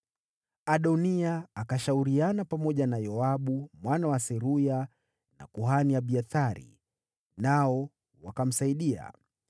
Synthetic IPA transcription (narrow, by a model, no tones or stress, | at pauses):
aɗɔniaːkaʃauɾianapamɔʄanajɔaɓumwanawasɛɾuja | na̰kuɦanijaɓiaθaɾḭ | naɔ | wakam̩saiɗia̰